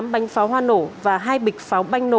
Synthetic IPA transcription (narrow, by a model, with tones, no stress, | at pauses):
mɓa˨˦jŋ̟faː˨˦wɦwaː˧no̰˧˩vaː˨˩ɦaː˧jɓï˨˩k̟̚faː˨˦wɓa˧jŋ̟no˧˨